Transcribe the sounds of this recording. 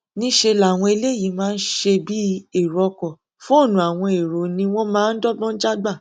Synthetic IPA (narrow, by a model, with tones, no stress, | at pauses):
nĩ˦ʃe˧la˨w̃ɔ̃˧e˧le˦˨ji˨˦mãː˦˧n̩˦ʃe˧bi˦e˦˨ɾɔ˨˧kɔ˨ | fũ˦o˦˨nũ˨˦a˨w̃ɔ̃˧e˨ɾo˨˦nĩ˧w̃ɔ̃˦mãː˦n̩˦dɔ˦ɡ͡bɔ̃˦d͡ʒa˦ɡ͡ba˦˨